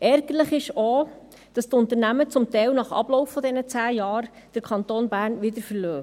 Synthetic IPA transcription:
ʔɛɾɡ̥əɾləχɪʃo | d̥ɑst̪ʊnt̪əɾnæmət͡sʊmtɛɪlnɑχɑ̰b̥lɔwfːɔdɛnət͡sæːjɑːɾ | d̥əɾkʰɑnt̪oːnbæːɾnʋɪd̪əɾfəɾløː

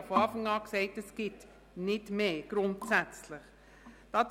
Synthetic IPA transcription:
foɑːfɑŋɑːksɛɪtɛsɡ̥ɪt | nɪtmeːɡ̥ɾʊntsæt͡slɪχ | d̥ɑːt

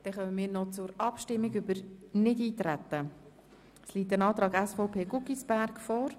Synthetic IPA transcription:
d̪̥ɛχœnəmɪːɾnɔt͡sʊɾɑpʃtɪmːiɡʏbəɾnɪdiːt̪ɾæt̪ːə | sliːt̪ːənɑːt̪ɾɑːɡæsfɔʊpʰeːɡʊkisb̥æɾɡ̥fɔːɾ

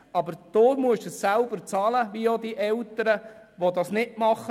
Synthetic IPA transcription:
ɑbəɾd̪̥oːmuəʃəsːælbəɾt͡sɑːləʋijod̪iʔɛltəɾəʋod̪ɑsnɪʔmɑχə

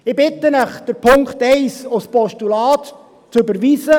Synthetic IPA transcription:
ɪbɪt̪ənəχd̥əɾpʰʊŋkχt̪ɛɪsospɔʃtulɑːt̪ | t͡søbəɾʋiːsə

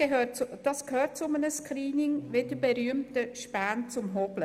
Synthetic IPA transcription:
ød̥ɑskʰhøːt̚t͡sʊmənəskɾiːnɪŋʋɪdəbɛɾyəmtəʃpæːnt͡sʊmɦɔblə

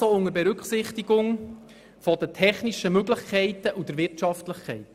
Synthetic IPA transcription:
oːʊŋəɾbɛɾʉksɪχt̪iɡʊŋ | fɔdətʰɛχniʃəmøɡləχkʰɛɪtəʔudəɾʋɪrtʃɑftləχkʰɛɪt

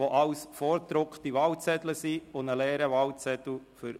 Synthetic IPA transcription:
oʔɑwsfɔːɾt̪ɾʊkχtiʋɑwt͡sɛt̪ləsiʊnəlɛːɾəʋɑwt͡sɛt̪l̩fʏɾ

